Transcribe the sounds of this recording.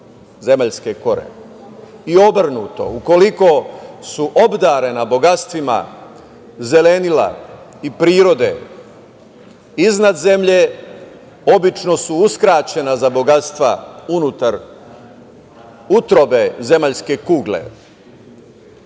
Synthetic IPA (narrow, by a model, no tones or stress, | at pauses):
ze̞maʎske̞ko̞ɾḛ | io̞br̩nuːt̪o̞̰uko̞liko̞suʔo̞bd̪aɾenabo̞ɡat̪st̪ʋima̰ | ze̞lenila̰ | ipɾiːɾo̞d̪e̞̰ | iznad̪ze̞mʎe | o̞bit͡ʃno̞suuskɾaːt͡ɕe̞nazabo̞ɡat̪st̪ʋa̰unut̪aɾ | ut̪ɾo̞beze̞maʎske̞kuːɡlḛ